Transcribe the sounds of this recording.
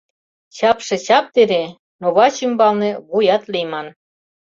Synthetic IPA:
ɕɑpʃĕt͡ɕɑp̚t̪eɾe | noβɑɕimbɑlnĕβujɑt̪lijmɑn

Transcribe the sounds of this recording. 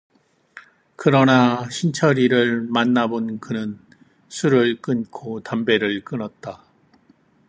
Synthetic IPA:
kɯɾʌnaɕʰint͡ɕʰʌɾiɾɯɭmanːabonkɯnɯn | sʰuɾɯɭk͈ɯnkʰotambe̞ɾɯɭk͈ɯnʌt̚t͈a

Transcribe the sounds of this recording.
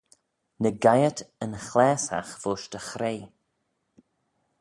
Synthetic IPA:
nəɡajətʰənxlɛːsa̰xv̥oːʃtəxɾeː

